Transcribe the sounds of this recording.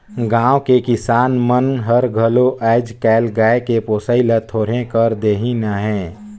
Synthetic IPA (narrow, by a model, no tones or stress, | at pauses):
ɡãːwkekɪsaːnmənɦəɾɡʱəloʔɛːɪd͡ʒkɛːlɡaːekepoːsəːɪlət̪ʰoːɾ̤ẽkəɾd̪eːɦinəɦɛ̃ː